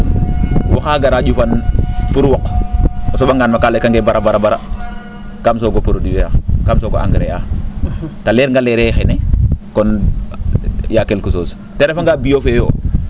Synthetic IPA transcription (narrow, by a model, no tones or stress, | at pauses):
waxaːɡaɾaɟufanpuɾuwɔkɔsoɓaŋɡaːnmakalekaŋɡebaɾabaɾabaɾa̰ | kamsoɡopuɾodijojakamsoɡoʔa̰ŋɡɾea | taleɾŋɡaleɾɛxɛnɛkɔn | jakelkusos | teɾefaŋɡabijofejo̰ː